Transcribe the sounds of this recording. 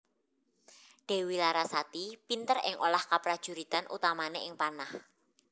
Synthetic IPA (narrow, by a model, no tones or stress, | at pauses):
ɖ̥e̤wilaɾasat̪ipint̪əɾɪ̰ŋolahkapɾad̥ʒ̥ṳɾit̪anʔṵt̪amaneʔɪŋpanah